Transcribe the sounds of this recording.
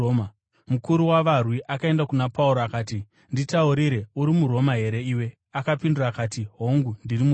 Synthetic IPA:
ma | mukuɾuwaʋarwiʔakae̞ndakunapauɾoakaːti | nditauɾiɾe̞uɾimuɾo̞maɦe̞ɾe̞iːwe̞ | akapinduraːkaːtiɦo̞ŋɡundirimu

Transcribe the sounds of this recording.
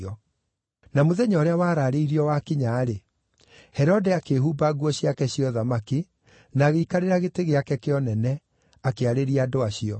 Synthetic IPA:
ɔ | namoðɛɲaɔɾeawaːɾaɾeiɾiɔwakiɲaːɾe | hɛɾɔdɛakeɦubaːɣuɔɕjakɛɕijɔðamaki | naːɣeikaɾeɾaɣeteɣeakɛkeɔnɛnɛ | akeaɾeɾiadoaɕiɔ

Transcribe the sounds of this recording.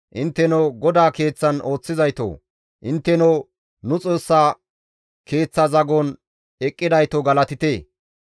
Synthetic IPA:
ʔɪnt̪ːɛnowɡɔd̪aːke̞ːt͡sːɐno̞ːt͡sːɪzɐjt̪o̰ː | ʔɪnt̪ːɛnɔw | nʊt͡sʼo̞ːsːaː | ke̞ːt͡sːɐzɐɡɔn | ɛkʼːɪd̪ɐjt̪oɡɐlɐt̪ɪt̪eː

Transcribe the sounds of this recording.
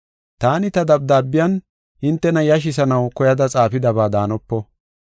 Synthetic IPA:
t̪aːnɪt̪ɐd̪ɐb̚d̪aːbːɪjɐn | ɪnt̪ːɛnɐjɐʃ̬ɪsɐnɐwkɔjɐd̪ɐt͡sʼaːfɪd̪ɐbaːd̪aːnɔpːɔ

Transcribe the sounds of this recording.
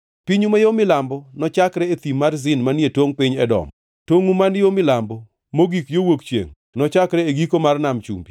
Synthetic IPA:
piɲumajomɪlambɔnɔt͡ʃakɾɛet̪imarzɪnmanetwoŋpɪɲɛdɔ̰m | toŋumanjomɪlambɔ | moɡikjowokt͡ʃjḛŋ | nɔt͡ʃakɾɛeɡikomarnamt͡ʃṵmbi

